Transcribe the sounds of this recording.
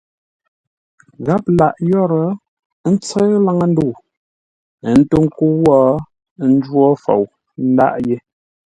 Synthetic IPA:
ɣa˦p̚la˨ʔjɔ˦ɾə˨˦ | n̩˦t͡sə˦ɣla˦ŋə˦n̩˦du˦˨ | n̩˦tu˦ŋ˦ku˦wɔː˦˨ | n̩˦d͡ʒwɔ˦fo̰˨w | n̩˦da̰˦˨ʔje˦

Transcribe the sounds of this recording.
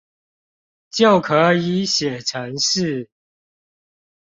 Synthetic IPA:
t͡ɕjo˥˨ʊkʰə˨˥i˨˥˦ɕjɛ˨˩ʈ͡ʂʰə˧˦ŋʂɻ̩˥˨

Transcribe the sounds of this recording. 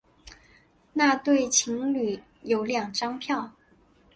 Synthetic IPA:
na˥˧t̪we˥˩ɪt͡ɕʰi˧˥ŋly˨˩˦ | jo˨˧˥ʊljɑ˨˩ŋʈ͡ʂɑ˥ŋpʰjɑ˥˩ʊ

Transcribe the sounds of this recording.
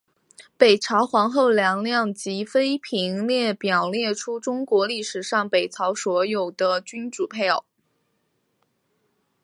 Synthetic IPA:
pe˨˩ɪʈ͡ʂʰɑ˧˥ʊxwɑ˧˥ŋxo˥˩ʊljɑ˧˥ŋljɑ˥˩ŋt͡ɕi˧˥fe˥ɪpʰi˧˥ŋljɛ˥˩pjɑ˨˩ʊljɛ˥˩ʈ͡ʂʰu˥ʈ͡ʂʊ˥ŋkwɔ˧˥li˥˩ʂɻ̩˨˩ʂɑ˥˩ŋpe˨˩ɪt͡sʰɑ˧˥ʊswɔ˧˥jo˨˩ʊd̪̥ə˦t͡ɕy˥nʈ͡ʂu˨˩pʰe˥˩ɪ˨˩

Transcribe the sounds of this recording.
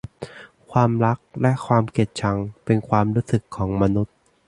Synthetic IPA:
kʰwaː˧mɾa˦˥k̚lɛ˦˥kʰwaː˧mke˨˩t̪̚t͡ɕʰa˧ŋpe˧nkʰwaː˧mɾuː˦˥sɯ˨˩kʰːɔː˩˦ŋma˧nu˦˥t̪̚

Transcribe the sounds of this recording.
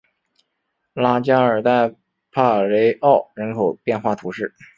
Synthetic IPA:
la˥t͡ɕja˥ə˞˨˩t̪a˥˧ɪ | pʰa˥˩le˧˥ɪʔɑ˥˩ʊɻə˧˥nkʰo˨˩ʊpjɛ˥˧nxwa˥˩t̪ʰu˧˥ʂɻ̩˥˩

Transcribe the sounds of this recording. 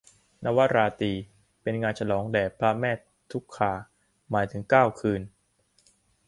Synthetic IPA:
na˦˧˥wa˦˥ɾaː˧t̪iː˧ | pe˧nŋaː˧nt͡ɕʰa˧lɔː˩˦ŋdɛː˨˩pʰla˦˥mɛː˥˩ | t̪ʰːu˦˥kʰːaː˨˩ | maː˩˦jt̪ʰɯ˩˦ŋkaː˥˩wkʰɯː˧n

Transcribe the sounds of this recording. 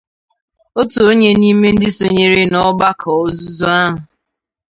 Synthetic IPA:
o˦to˨o˦ɲe˦niː˦me˦n̩˦dɪ˦so˨ɲe˦ɾe˦nɔ˦ba˦kʰɔ˨˦zu˦zu˦a˦ɦʊ˨

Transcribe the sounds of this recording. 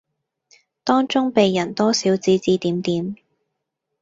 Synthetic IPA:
t̪ɔː˥ŋt͡sʊ˥ŋpe˨jːɐ˨˩nt̪ɔː˥siː˨˥wt͡siː˧t͡siː˧t̪iː˨˥mt̪iː˨˥m

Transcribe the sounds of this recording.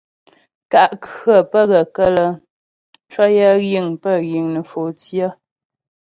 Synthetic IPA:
ka˦˨ʔkə˦˨pə˦˨ɣə˨kə˦lə˦ | t͡ʃwɔ˦jə˦ɣji˦˨ŋpə˦˨ɣji˨ŋnə˨fo˨tjə˦

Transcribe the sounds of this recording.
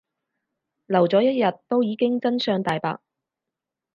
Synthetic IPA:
lɐ˨˩wt͡sɔː˨˥jɐ˥t̚jɐ˨t̪ːo˥wjiː˨˧kɪ˥ŋt͡sɐ˥nsœː˨˧ŋt̪aː˨jpa̰ː˧k̚

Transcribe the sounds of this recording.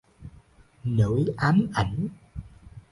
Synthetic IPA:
nɨ̰˧˩˥jʔaː˨˦mʔa˧˩jŋ̟

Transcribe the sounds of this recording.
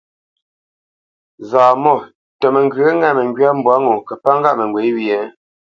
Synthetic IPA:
zaː˨mɔ˦˨ | tə˨mə˨ŋɡə˦ŋɛ˦˨mə˨ŋɡɥa˦m̩˦bwa˨˦ŋo˨kə˨pa˦ŋɡa˦˨mə˨ŋɡwe˨˦wi˦˨ɛ˨˦

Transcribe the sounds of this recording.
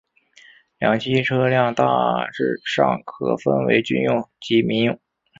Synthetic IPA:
ljɑ˨˩ŋt͡ɕʰi˥ʈ͡ʂʰɤ˥ljɑ˥˧ŋt̪a̰˥˧ʈ͡ʂɻ̩˥˧ʂɑ̰˥˩ŋkʰɤ̰˧˩fə̰˥nwḛ˧˥ɪt͡ɕy˥˧njʊ˥˩ŋt͡ɕi˧˥mi˧˥njʊ˨˩ŋ

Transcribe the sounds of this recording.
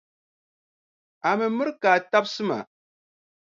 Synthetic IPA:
a˨mɨ˨mɨ˦ɾkaː˨ta˦bsɨ˦ma̰˨

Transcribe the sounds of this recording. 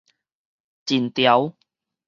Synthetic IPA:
t͡ɕi˨˩nt̪ja˨˦w

